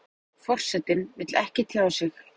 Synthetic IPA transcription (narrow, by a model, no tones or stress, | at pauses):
fɔr̥sɛt̪ːɪnvɪt̪lɛhcɪt̪ʰaːwasɪx